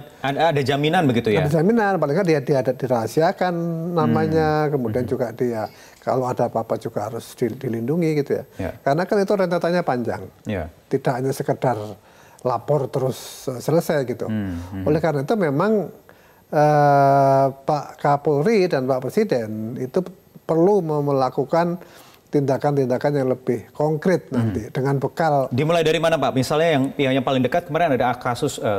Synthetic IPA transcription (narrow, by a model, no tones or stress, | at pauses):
aadad͡ʒaminanbəɡit̪ujadad͡ʒaminanpaliŋkandiadiadat̪̚diɾaɦasiakanːamaɲakəmudiand͡ʒuɡadia | ka̰loadapapad͡ʒuɡaɦaɾʊsd̥idilinduŋiɡit̪uja̰kaɾənakanit̪uɾent̪at̪aɲapaɲd͡ʒa̰ŋj̰t̪idaʔɲasəkədar | lapɔrt̪əɾʊsəsələsajɡit̪ṵolɛhkaɾənait̪umemaŋ | ə | paʔkapulridanpaʔpɾesidɛnit̪u | pərluməməlakukan | t̪indakant̪indakanjaŋləbɪhkɔŋkɾɪt̪̚nant̪id̥əŋanbəkaldimulajdaɾimanapaʔmisalɲajaŋjaŋjaŋpalɪŋdəkat̪̚kəmaɾɪnadaakasʊsə